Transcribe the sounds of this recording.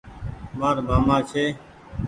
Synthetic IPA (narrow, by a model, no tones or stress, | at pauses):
ʋaːɾbʱaːmaːt͡ʃʰeː